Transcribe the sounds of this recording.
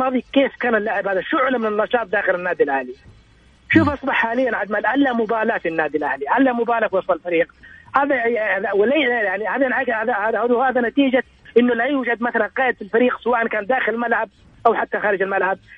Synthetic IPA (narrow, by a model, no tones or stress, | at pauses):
mɑːðˤikeːfkaːnɪlːaʕɪbhaːðaʃʊʕlamɪnɪnːɑʃɑːt̪̚ˤd̪aːxɪlɪnːaːd̪ilʔahlija | ʃuːfʔɑsˤbɑħːaːlɪjːanʕad̪malʔalːamʊbaːlafinːaːd̪ilʔahliʕalːamʊbaːlafwɑsˤɑlfaɾiːqhaːðajaðawɪlajaʕnihaːðanʕahaðaahahaːðanat̪iːd͡ʒa | ʔɪnːʊlajuːd͡ʒad̪̚maθalanqɑːjɪd̪filfaɾiːqsawaːʔankaːnd̪aːxɪlɪlmalʕab̚ | ʔawħat̪ːaxaːɾɪd͡ʒalmalʕab̚